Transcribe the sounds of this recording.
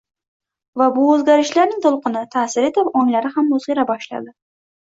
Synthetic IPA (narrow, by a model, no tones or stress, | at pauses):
vabʊɵzɡʲaɾɪʃlaɾnɪŋt̪ʰʊlˠqɨnɪt̪ʰaːsɪɾet̪ɪvɒŋlaɾɪhamːʊzʁiɾabɒʃla̰d̪ɪ